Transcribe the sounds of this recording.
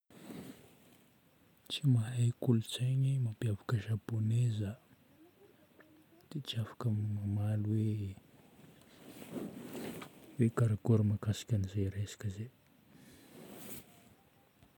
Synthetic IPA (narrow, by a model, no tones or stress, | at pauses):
t͡simaɦajkulut͡saɲimapiavakəʒaponezə | d̪̥et͡siafḁkəmamalwe | wekaɾaɡoɾimakasi̥kʲanizejɾesḁkəze